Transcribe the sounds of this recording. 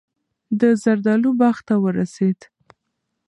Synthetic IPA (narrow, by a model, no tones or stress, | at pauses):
d̪əzaɾd̪ɑlubaxt̪awəɾased̪